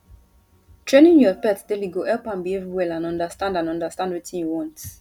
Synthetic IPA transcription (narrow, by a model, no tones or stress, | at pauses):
tʰɹẽnĩnjɔpɛtdeliɡoɛlpãnbievwɛlãnɔ̃ndəstãndãnɔ̃ndəstãndwitĩnjuwɔ̃nt